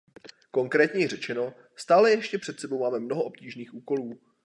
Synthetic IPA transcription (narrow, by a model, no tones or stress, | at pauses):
ko̞ŋkɾɛːt̪ɲɛjɪrɛt͡ʃɛno̞ | st̪aːlɛjɛʃcɛpr̝̥ɛt̪sɛbo̞wmaːmɛmnoɦoʔo̞pciːʒniːxʔuːko̞luː